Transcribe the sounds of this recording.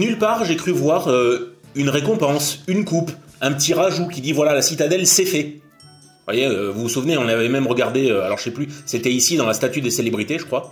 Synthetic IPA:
nylpaʁʒekχyvwaʁøynʁekɔ̃pɑ̃synkupɛ̃pət̪iʁaʒukʲid̪ivwalalasit̪ad̪ɛlsɛfɛ | vwa̰jeøvuusuvneɔ̃navɛmɛmʁəɡaʁd̪eøalɔʁʒə̥sɛplyset̪ɛisid̪ɑ̃last̪at̪yd̪əselebʁit̪eʒəkχwa

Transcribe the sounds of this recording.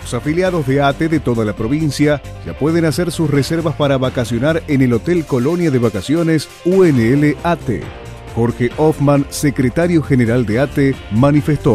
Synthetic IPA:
losafiljaðo̞zðeat̪eðet̪o̞ðalapɾo̞β̞insja | ʒ̥a̰pweðenaseɾsusreseɾβaspaɾaβakasjo̞naɾenelo̞t̪elko̞lo̞njaðeβakasjo̞nes | ueneeleat̪ḛ | xoɾxeʔofmansekɾet̪aɾjo̞xeneɾald̪eat̪emanifest̪o

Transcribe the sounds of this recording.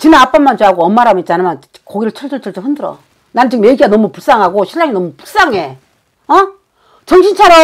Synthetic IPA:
t͡ɕinaap͈amːant͡ɕɦaɡoʌmːaɾamit̚t͡ɕ͈anman | koɡiɾɯɭt͡ɕʰʌɭt͡ɕ͈ʌɭt͡ɕʰʌɭt͡ɕ͈ɯɸɯndɯɾʌ | nanɯnt͡ɕɯkmeɡiɡanʌmupuɭs͈aŋɦaɡoɕʰiʎːaŋinʌmupu̥ɭs͈aŋɦe̞ | ʌ | t͡ɕʌŋɕʰint͡ɕʰaɾo

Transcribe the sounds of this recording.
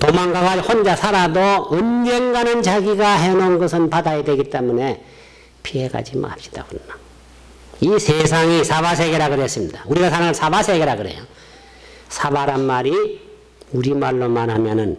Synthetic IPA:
tomaŋɡaɡahond͡ʑasʰaɾadoʌnɡʌŋɡanɯnt͡ɕaɡiɡaɦenonɡʌsʰɯnpadajedwe̞ɡit͈e̞mune̞ | pʰieɡa̰d͡ʑima̰p̚ɕ͈i̥d̥a̰kɯɾʌnḁ | isʰesʰaŋisʰabas̬ʰe̞ɡe̞ɾaɡɯɾes͈ɯmɲidauɾiɡasʰaɾaŋɯnsʰabasʰe̞ɡe̞ɾaɡɯɾḛjo | sʰabaɾanmaɾi | uɾimaɭːomanɦamjʌnɯn

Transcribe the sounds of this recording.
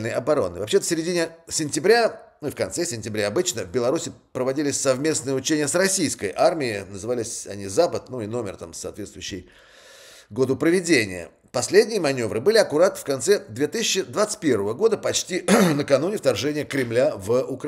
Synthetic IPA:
lnəjɐbɐɾo̞̰nːɨ̰vɐpɕet̪əsʲɪɾʲɪdʲinʲɪsʲɪnʲtʲɪbɾʲanuifkɐnt̪sɛsʲɪnʲtʲɪbɾʲaɐbɨt͡ɕnəvbʲɪlˠɐɾusʲɪ | pɾəvɐdʲilʲɪsʲsɐvmʲe̞snɨjəʊt͡ɕenʲɪjəsrɐsʲijskə̰jʔarmʲɪɪnəzɨvalʲɪsʲɐ̰nʲizapət̪nuɪno̞mʲɪ̰rt̪amsɐ̰ːt̪vʲet̪st̪vʊjʏɕːɪj | ɡo̞d̪ʊpɾəvʲɪdʲenʲɪ̰jə̰ | pɐsʲlʲedʲnʲɪjəmɐnʲo̞vɾɨbɨlʲɪɐkʊɾat̪fkɐnt̪sɛd̪vʲe̞t̪ɨsʲɪɕːɪd̪vat̪sɨ̥t̪̚ʲpʲe̞rvəvəɡo̞d̪əpɐt͡ɕtʲinəkɐnunʲɪft̪ɐrʐɛnʲɪjəkɾʲɪmlʲavʊk

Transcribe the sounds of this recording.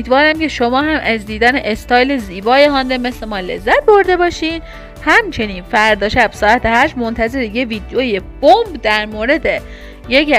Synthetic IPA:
iːd̪vɒːɾæmce̞ʃomɒːɦæmʔæzd̪iːd̪æneʔest̪ɒːjleziːbɒːjeɦɒːnd̪eme̞sle̞mɒːle̞̰zːæt̪̚bo̞ɾd̪e̞bɒːʃiːn | hæmt͡ʃʰe̞niːnfæɾd̪ɒːʃæb̥sɒːæt̪ʰehæʃmont̪ʰæze̞ɾijeviːd̪ejoːjeb̥ombd̪æɾmoːɾe̞d̪e | jec

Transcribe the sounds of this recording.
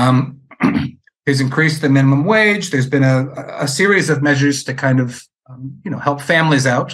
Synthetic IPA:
hɨzɨ̃nkʰɹ̥isðɨmɪ̃ñəmə̃mweɪd͡ʒðə˞zbɨ̃ñɨəsɪɹizʌvmɛʒə˞z̥tʰɨkʰãɪ̃ndʌv̥ | jɨnoʊhɛlˠpfæ̃mlizaʊt̚

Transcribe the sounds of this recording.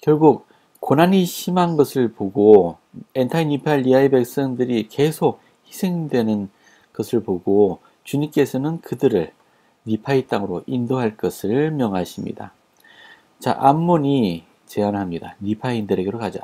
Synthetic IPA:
kjʌɭɡuk̚ | k͈onaniɕʰimanɡʌsʰɯɭpoɡo | entʰainipʰaʎːiaibe̞k̚s͈ʌndɯɾike̞sʰok̚ | hisʰe̞ŋdwe̞nɯn | ɡʌsʰɯɭpoɡo | t͡ɕuɲimk͈e̞sʰʌnɯnkɯdɯɾɯɭ | nipʰait͈aŋɯɾoʔindoɦaɭk͈ʌsʰɯɭmjʌŋaɕʰimɲḭda̰ | t͡ɕa̰ʔamːoɲi | t͡ɕe̞anɦamɲida̰nipʰaindɯɾe̞ɡeɾokad͡ʑa̰

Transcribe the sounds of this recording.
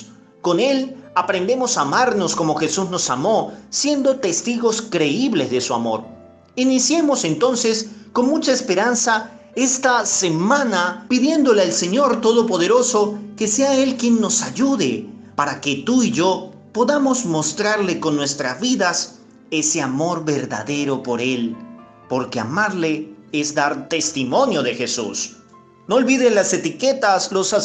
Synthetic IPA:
ko̞ne̞lapɾe̞nd̪e̞mo̞samaɾno̞sko̞mo̞xe̞suzno̞samo̞sje̞nd̪o̞t̪e̞st̪iɣo̞skɾe̞iβle̞zðe̞sua̰mo̞̰ɾ | inisje̞mo̞se̞nt̪o̞nse̞sko̞nmut͡ʃaespe̞ɾansa | e̞st̪ase̞mãnapiðje̞nd̪o̞lealse̞ɲo̞ɾt̪o̞ðo̞po̞ðe̞ɾo̞so̞ke̞se̞ae̞lkje̞nːo̞saʝuðepaɾake̞t̪uiʝo̞ | po̞ðamo̞zmo̞st̪ɾaɾle̞ko̞nːwe̞st̪ɾazβiðas | e̞se̞amo̞ɾβe̞ɾða̰ðe̞ɾo̞po̞ɾe̞l | po̞ɾkea̰maɾleezd̪aɾt̪e̞st̪imo̞njo̞ðe̞xe̞sṵs | noːlβiðenlase̞t̪ike̞t̪aslosa

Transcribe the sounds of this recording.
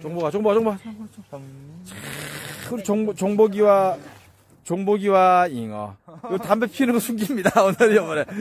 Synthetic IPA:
t͡ɕoŋboɡat͡ɕoŋboat͡ɕoŋba | ɯɾt͡ɕoŋbot͡ɕoŋboɡiwa | t͡ɕoŋboɡiwaiŋʌ̰otambepʰinɯŋɡʌsʰuŋɡimɲidaonɯɾiʌmʌɾe

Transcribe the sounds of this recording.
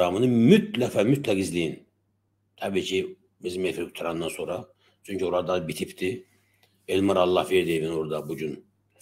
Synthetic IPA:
amɯnɯmyt̪lækfæmyt̪lækizlʲijin | t̪ʰɑbiːcʰi | bizimefiɾky̥t̪ʰaɾand̪anso̞nɾa | t͡ʃʰyɲcʰyoɾad̪abit̪ʰipt̪ʰi | elʲmaɾɑlˠːɑhfeɾd̪evinoɾd̪abuɟyn

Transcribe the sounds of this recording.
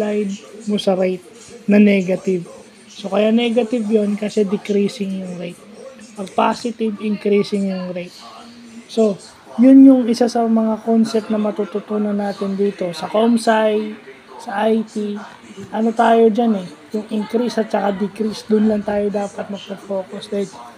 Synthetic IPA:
lajd̪̚mosɐɾɛjt̪̚ | nɐnɛːɡɐt̪ɪv | so̞kɐjaʔnɛɡɐt̪ɪvjonkɐsɛd̪ɪkɾiːsɪŋjʊŋɾɛjt̪̚pɐɡ̚paːsɪt̪ɪbɪŋkɾiːsɪŋjʊŋɾɛjt̪̚ | so̞ | jʊnjʊŋɪsasɐmɐŋako̞nsɛp̚t̪nɐmɐt̪ut̪ʊt̪uːnɐnːaːt̪ɪnd̪iːt̪o̞sɐkomsaj | sɐʔajt̪i | ʔɐno̞t̪aːjo̞d͡ʒanɛjʊŋɪŋkɾisɐt̪̚t͡ʃɐkad̪ɪkɾisd̪ʊnlɐŋt̪aːjo̞d̪aːpɐt̪̚mɐɡ̚pofo̞ːkosd̪aɪl

